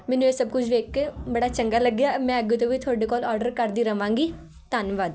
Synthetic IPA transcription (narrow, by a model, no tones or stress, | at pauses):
mɛ̃ːnũeːsəb̚kʊt͡ʃʰʋeːkːebəɽaːt͡ʃəŋɡaːləɡjaːmɛ̃ːəɡet̪õːʋiːt̪ʰoːɖeːkɔːlɔːɾɖəɾkəɾd̪iːɾəʋãːŋɡiː | t̪aːnʋaːd̪